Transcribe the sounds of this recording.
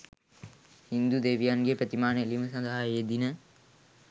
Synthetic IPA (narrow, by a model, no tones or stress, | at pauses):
hind̪ud̪eːʋijanɡepɾət̪imaːneliməsɐ̃nd̪aɦajjed̪inə